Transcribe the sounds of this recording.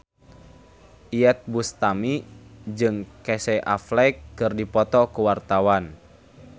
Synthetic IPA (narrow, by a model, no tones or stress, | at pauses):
ʔiɛt̪̚bust̪amid͡ʒɨŋkɛsɛʔaflɛjkːɨrdipɔt̪ɔkuwart̪awan